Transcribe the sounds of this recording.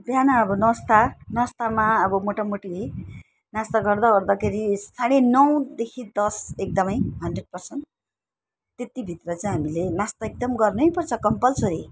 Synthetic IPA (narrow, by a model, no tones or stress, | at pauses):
d̪ʱjanaːbʌnʌst̪anʌst̪amaʌbʌmoʈamoʈi | nast̪ʌɡʌrd̪aɡʌrd̪ʌkʰeɾisaɽ̃enʌw̃d̪ekʰid̪ʌsek̚d̪ʌmʌjɦʌndreɖ̚pʌrsʌn | et̪ibʱit̪rʌt͡saĩɦamilenast̪ʌek̚d̪ʌmɡʌrnʌjpʌrt͡sʰʌkʌmpʌlsʌɾi